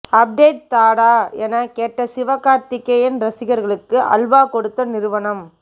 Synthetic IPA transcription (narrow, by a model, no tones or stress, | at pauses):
ɐp̚ɖeːʈ̚t̪aːɽaːɛnɐkeːʈrɐsɪʋɐkaːɾt̪ɪkːɐjɪnɾɐsɪɣɐɾɣɐɭɯkːɯʔɐ̰lʋaːkɔɽɯt̪ːɐnɪɾɯʋɐɳɐm